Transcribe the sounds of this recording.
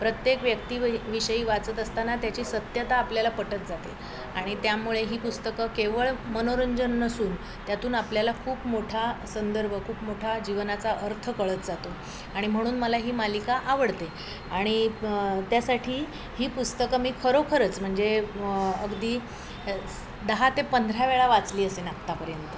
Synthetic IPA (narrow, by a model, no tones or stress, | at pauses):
pɾət̪jekʋjəkt̪iːʋiɕəjiːʋat͡sət̪əst̪anat̪jat͡ɕiːsət̪jət̪aːpljalapəʈət̪̚d͡zat̪e | aɽ̃it̪jamuɭeɦiːpust̪əkəkeʋəɭmənoɾəɲd͡ʑənːəsuːn | t̪jat̪uːnapljalakʰuːpmoʈʰasənd̪əɾbʱəkʰuːpmoʈʰad͡ʑiʋnat͡saʔəɾt̪ʰəkəɭət̪̚d͡zat̪o | aɽ̃im̤əɽ̃uːnməlaɦiːmalikaʔaʋəɽt̪e | aɽ̃it̪jasaʈʰiː | hiːpust̪əkəmiːkʰəɾokʰəɾət͡sm̤əɳd͡ze | əɡd̪iː | d̪əɦat̪epənd̪ʱɾaʋeɭaʋat͡sliːəsenakt̪apəɾjənt̪ə